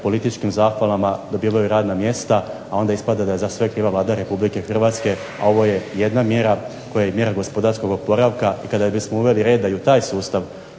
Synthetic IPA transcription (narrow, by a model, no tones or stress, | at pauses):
po̞lit̪it͡ʃkimzaːxʋalˠamad̪o̞biːʋajuɾaːd̪namje̞st̪aao̞nd̪aispad̪ad̪ajezasʋekɾiːʋaʋlˠaːd̪aɾe̞publikexr̩ʋaːt̪ske̞ | a̰o̞ʋo̞je̞jed̪namje̞ɾa | ko̞jajemje̞ɾaɡo̞spo̞d̪aɾsko̞ɡo̞po̞ɾaʋkaikad̪abismo̞uʋe̞liɾed̪d̪ajut̪aːjsuːst̪aʋ